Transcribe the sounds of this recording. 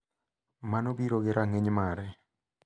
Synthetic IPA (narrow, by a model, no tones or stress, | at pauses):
manobiɾoɡɪɾʔaŋeɲmaɾɛ